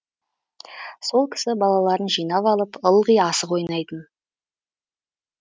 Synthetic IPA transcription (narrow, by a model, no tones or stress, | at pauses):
so̞lˠkʲʰɪ̥sɪbɑlˠɑlˠɑɾənʒijnɑpɑlˠəpəlˠʁəjɑsəqo̞jnɑjd̪ən